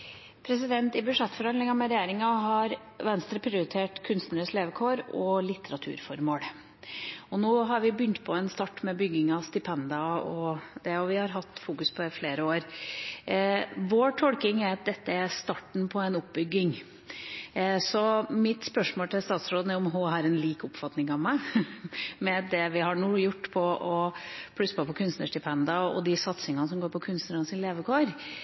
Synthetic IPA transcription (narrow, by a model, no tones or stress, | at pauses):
pʰɾɛsɪd̪ɛnt̪ɪbʉʂɛt̪ːfɔɾhɑnd̪lɪŋɑmɛɾɛjeːɾɪŋɑɦɑɾ | ʋɛnst̪ɾəpʰɾɪʊɾɪt̪ʰeːʈkʰʉnst̪nəɾəsleːʋəkʰoːɾɔlɪt̪ːəɾɑt̪ʰʉ̰ːɾfɔɾmoːɽ | ɔnoːɦɑɾʋɪbʏnt̪pʰɔɛnst̪ɑʈːmɛbʏɡːɪŋɑst̪ɪpʰɛnd̪ɑɔd̪ɛʊʋɪhɑɾɦɑt̪ːfuːkʉspʰɔɪfleːɾəoːɾ | ʋoːʈʰɔlkɪŋæɾɑt̪̚d̪ɛt̪ːəæɾst̪ɑːʈɳ̩pʰɔɛɪnʊp̚bʏɡːɪŋ | sɔmɪt̪spœʂmoːlt̪ɪlst̪ɑːt̪sɾoːd̪ən̩ɛʊmɦʊɦɑɾɛnliːkʊpfɑt̪nɪŋɑʋmæɪ | mɛd̪ɛʋɪɦɑɳuːjʊʈːpʰɔʔɔpʰɽʉsːəpʰɔpʰɔkʰʉnst̪nəʂʈɪpʰɛnd̪ɑɔ̰d̪ɪsɑt̪sɪŋɑnəsɔmɡoːɾpʰɔkʰʉnst̪nəɾɔnsɪnleːʋəkʰoːɾ